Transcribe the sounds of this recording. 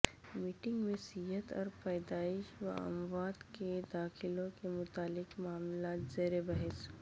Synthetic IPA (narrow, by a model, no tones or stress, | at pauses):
miːʈɪ̃ŋɡmẽsiɦət̪ɔ̰ːɾpɛːd̪aːɪʃʋɐ̰ɐ̰mʋaːd̪ked̪aːxɪlõkemʊt̪aːlɪkmaːmlaːt̪zeːɾebɐɦɛs